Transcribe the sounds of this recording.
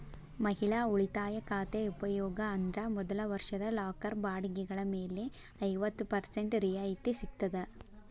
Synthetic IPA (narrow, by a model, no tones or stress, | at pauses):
mɐɦɪɭaːʊɭɪt̪aːjɐkaːt̪eʊpɐjoːɡɐːnd̪ɾɐmɔðɐlɐʋɐɾʂɐðɐlaːkɐɾbaːɽɯɡiɣɐɭɐmeːleː | ɐɪʋɐt̪ːɯpɐɾseɳʈɾijaːjɪt̪ːesɪt̪ːɐðɐ